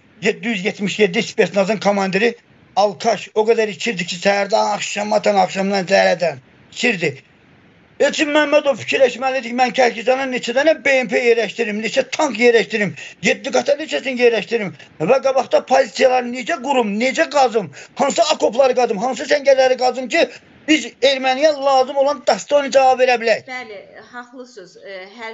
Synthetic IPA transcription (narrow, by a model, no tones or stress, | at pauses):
jed̪ːijyzjet̪miʃjed̪ːispe̞ɾt̪nɑzɯnkʰomɑnd̪eɾi | ɑlˠkʰɑʃo̞ɡæd̪æɾit͡ʃʰiɾd̪icʰisæhæɾd̪ɑnɑχʃɑmɑt̪ʰɑnɑχʃɑmnɑnzæɾæd̪æn | it͡ʃʰiɾd̪i | et͡ʃ̪ʰimːæmːæd̪o̞vfi̥cʰiɾlæʃmælid̪icmæncʰæhcizɑnɯnet͡ʃʰæd̪ænæbeempʰejeɾæʃt̪iɾimnet͡ʃʰæt̪ʰɑŋkjeɾæʃt̪iɾimje̞d̪ːiɡɑt̪ʰɑnet͡ʃʰæsinjeɾlæʃt̪iɾim | væɡɑbɑɣd̪ɑpʰozit̪sijɑlˠɑɾɯne̞d͡ʒæɡuɾumne̞d͡ʒæɡɑzɯmhɑnsɯɑkʰo̞plˠɑɾɯɡɑzɯmɦɑns̬ɯsæɲɟæɾlæɾiɡɑzɯmcʰi | b̥izeɾmænijɑlˠɑːzɯmo̞lˠɑnd̪ɑst̪onɯd͡ʒɑvɑbve̞ɾæbilæjçlhɑlˠɯsz